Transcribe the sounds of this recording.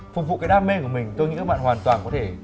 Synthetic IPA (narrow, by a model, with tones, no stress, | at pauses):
fʊ˨˩k̚vṵ˧˨kaː˨˦jɗaː˧me˧kɨ˧˩mï˨˩ŋ̟t̪o˧ɲḭ˧˥a˦˥kɓ̰ːhwaː˨˩nt̪waː˨˩nkɔ˨˦t̪ʰe˧˩